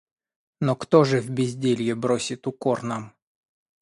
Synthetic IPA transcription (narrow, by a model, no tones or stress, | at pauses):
nokt̪oʐɨvbʲɪzʲdʲelʲjɪbɾosʲɪt̪ʊkornam